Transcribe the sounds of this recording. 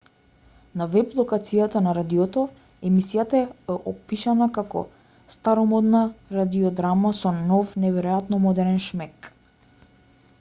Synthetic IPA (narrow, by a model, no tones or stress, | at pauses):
navɛblˠɔkat̪sijat̪anaɾad̪iɔt̪ɔ | ɛmisijat̪aɛɛʔɔpiʃanakakɔ̰ | st̪aɾɔmɔd̪naɾad̪iɔd̪ɾamasɔnɔfnɛvɛɾɔjat̪nɔmɔd̪ɛɾɛnʃmɛk